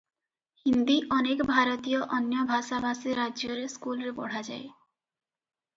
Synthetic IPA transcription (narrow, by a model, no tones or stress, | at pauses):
hind̪iʔɔnekbʱaɾɔt̪ijɔʔɔnjɔbʱasabʱasiɾad͡ʒoɾeskulɾebɔ̰ɽ̤ad͡ʒa̰e